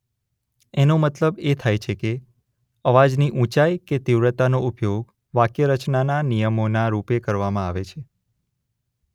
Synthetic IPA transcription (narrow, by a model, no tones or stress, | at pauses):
enomət̪ləbet̪ʰajt͡ʃʰeke | əʋad͡ʒniʔũt͡ʃajket̪iʋɾət̪anoupjoɡ | ʋakjəɾət͡ʃnananijəmonaɾupekəɾʋamãaʋet͡ʃʰe